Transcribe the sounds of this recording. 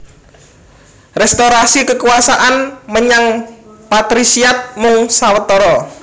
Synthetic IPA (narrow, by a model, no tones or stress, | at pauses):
rɛst̪oɾasikəkuasaʔanməɲaŋpat̪ɾisiat̪̚mʊŋsawət̪ɔɾɔ